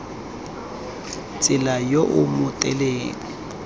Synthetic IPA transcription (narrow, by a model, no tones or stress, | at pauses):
t͡sʼɪlajoʔʊmʊtʼɛleːli